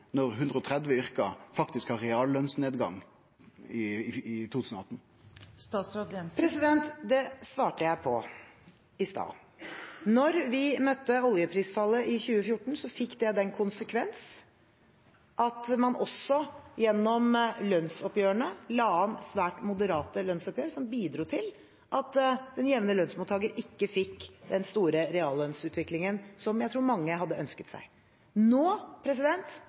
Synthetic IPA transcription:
nɔʁɦʉnd̪ʁəɔt̪ʰʁɛd̪ʋəʏʁkɑfɑkt̪ɪskhɑʁɛɑːllœnsneːd̪ɡɑ̰ŋ | ɪt̪ʰuːt̪ʉ̥ːsn̩ɔɑt̪n̩ | st̪ɑːsɾɑd̪ɛpʰɾɛsɪd̪ɛnt̪d̪ɛsʋɑːʈəjæɪpʰɔ̰ | ɪst̪ɑ̰ː | nɔɾʋɪmœt̪ːəɔljəpʰɾiːsfɑlːəʔɪçʉːəfjʊʈːɳ̩sɔfɪkːd̪ɛd̪ɛnkʰʊnsəkʰʋɛns | ʔɑt̪mɑnʔɔsɔjɛnːɔmlœnsɔpjøːəɳəlɑːɑnsʋæːʈmʊd̪əɾɑːt̪əlœnsɔpjøːɾsɔmbiːd̪ɾuːt̪ʰɪl | ʔɑt̪d̪̥ɛnjɛʋnəlœnsmuːt̪ʰːɑːɡəɾɪkːəfɪkːd̪ɛnst̪uːɾəɾɛɑːlœnsʉːt̪ʰʋɪklɪŋənsɔmjæɪt̪ʰɾuːɾmɑŋːəɦɑd̪ːəʔœnskət̪sæ̰ɪ | noːpʰɾɛs̬ɪd̪ɛnt̪

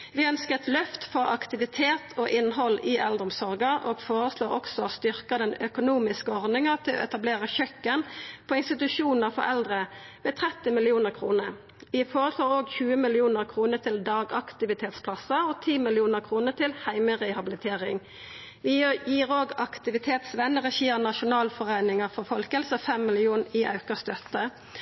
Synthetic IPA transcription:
ʋɪœnskət̪lœft̪fɔʁɑ̰kt̪ɪʋɪt̪ʰeːt̪ʰoːʔɪnɦɔlːɪʔɛld̪ɔmsɔʁɡəʔoːɡ̥foːʁəsloːʁɔksɔst̪ʏʁkɑd̪ɛnœkʊnuːmɪskəɔʁd̪ɪŋət̪ʰɪlʔo̰ːɛt̪ɑbleːʁəçœkːənpʰoːɪnst̪ɪt̪ʉʂuːnəʁfɔ̰ɾɛld̪ʁə | ʋeːt̪ʰʁɛt̪ːɪmɪlɪuːnəʁkʰʁuːnəɾ | ʋɪfoːʁəsʰloːʁoːɡçʉːəmɪlɪuːnəʁkʰʁuːnəʁt̪ʰɪld̪ɑːɡɑkt̪ɪʋɪt̪ʰeːt̪spʰlɑsəɔt̪ʰiːmɪlɪuːnəʁkʰʁuːnət̪ʰɪlhæɪməʁɛhɑbɪlɪt̪ʰeːʁɪ̰ŋ | ʋɪjiːʁoːɡɑkt̪ɪʋɪt̪ʰeːt̪sʋɛnːəʁɛçiːənɑʃʊnɑːlfɔʁeɪnɪŋəfɔʁfɔlkɛlsɔfɛmːɪlɪuːnɪʔɑ̰ʉkəʁst̪œt̪ːə

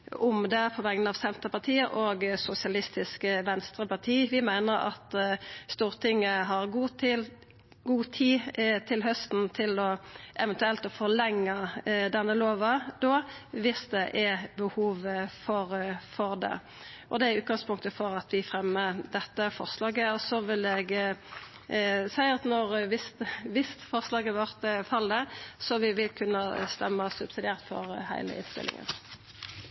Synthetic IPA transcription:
ʊmd̪ɛpʰɔʋɛŋn̩ɑʋsɛnt̪əpɑʁt̪ʰiːəʔoːɡsʊsɪɑlɪst̪ɪskʋɛnst̪ʁəpɑʁt̪ʰiːʋɪmæɪnəɾɑ̰t̪st̪uːʁt̪ʰɪŋːəɦɑʁɡuːl | ɡuːt̪ʰiːt̪ʰɪlɦœst̪n̩t̪ʰɪlɔʔɛʋɛnt̪ʉɛlt̪ɔfɔʁlɛŋːɑd̪ɛnːəloːʋɑd̪oːʋɪsd̪ɛʔæbəhuːʋfɔɾfɔʁd̪ɛ̰ | ʔɔd̪ɛæʉːt̪̚ɡɑŋspʰʊŋkt̪əfɔʁɑt̪ʋɪfʁɛmːəd̪ɛt̪ːəfɔ̰ʁslɑːɡəɔsɔʋɪlɛɡ | sæɪɑt̪nɔʁʋɪst̪ʋɪst̪fɔʁslɑːɡəʋœʁt̪fɑld̪əsɔʋɪʋɪlkʰʉnːəst̪ɛmːɑsʉbsɪd̪ɪæːʁt̪fɔ̰ɾhæ̰ɪlə̰ɪ̰nst̪ɪ̰lɪ̰ŋə̰n

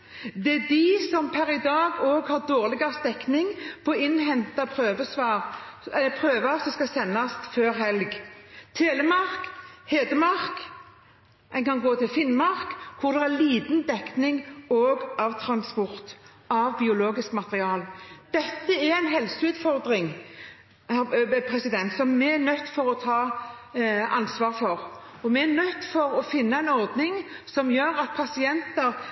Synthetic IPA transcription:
d̪ɛæd̪ɪsɔmpʰæɾɪd̪ɑːɡoːɡhɑʁd̪oːʁlɪɡɑʁsd̪ɛknɪŋpʰɔːɪnhɛnt̪ɑpʰʁøːʋəsʋɑːʁɛəpʰʁøːʋɑsɔskɑsɛnːɑsføːɾɦɛlɡt̪ʰeːləmɑʁkheːd̪əmɑʁk | ɛnkɑnɡoːt̪ʰɪlfɪnmɑʁkkʰʊʁd̪ɛæliːd̪nd̪ɛknɪŋoːɡɑʋt̪ʰɾɑnspɔʁt̪ | ɑʋbɪʊloːɡɪskmɑt̪əʁɪɑːld̪̥ɛt̪ːəɛɾæɪnɦɛlsəʉːt̪fɔʁd̪ɾɪŋ | hæpʰɾɛsɪd̪ɛnt̪sɔmːɛænœt̪ːfɔɾɔt̪ʰɑː | ɑnsʋɑːʁfɔʁ | ɔmɛæɾnœt̪ːfɔɾɔfɪnːɑɛɪnɔʁd̪nɪŋsɔmjøːɾɑt̪̚pʰɑsɪɛnt̪əɾ

